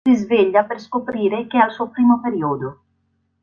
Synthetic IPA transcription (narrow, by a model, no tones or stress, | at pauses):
izveʎːaperskopɾiːɾekealsuopɾiːmopeɾiod̪o